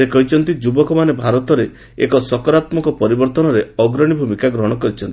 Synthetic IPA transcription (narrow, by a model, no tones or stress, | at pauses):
ekɔɦit͡ʃʰɔnt̪id͡ʒubɔkɔmanebʱaɾɔt̪ɔɾe | ekɔsɔkɔɾat̪mɔkɔpɔɾibɔɾt̪ɔnɔɾeɔɡɾɔɽ̃ibʱumikaɡɾɔɦɔɽ̃ɔkɔɾit͡ʃʰɔnt̪i